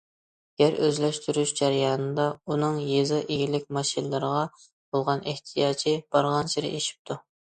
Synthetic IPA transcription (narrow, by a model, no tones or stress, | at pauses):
ɡ̥ʲæɾøzlɛʃt̪ʰyɾyʃd͡ʒæɾjɑːnɨd̪ɑunɨŋjezɨʔeɡʲilɪk̚ʲmɑʃinɨlˠɨɾəʁɑ | b̥olˠʁɑneht̪ʰijɑːt͡ʃʰib̥ɑɾʁɑnsiɾɪ̰ʔeʃi̥p̚t̪ʰu